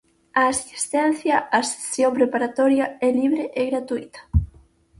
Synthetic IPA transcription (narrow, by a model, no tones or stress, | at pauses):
aːsist̪ɛn̟θjɐʔase̥sjompɾepaɾat̪ɔɾjɐɛliβɾeʔeɣɾat̪uit̪ɐ̥